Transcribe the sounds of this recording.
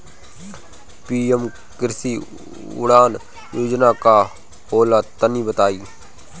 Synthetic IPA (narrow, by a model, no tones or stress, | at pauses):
piːəm | kɪɾsiː | ʊ̰ɽaːn | joːd͡ʒnaka | hoːlat̪ənibət̪aːiː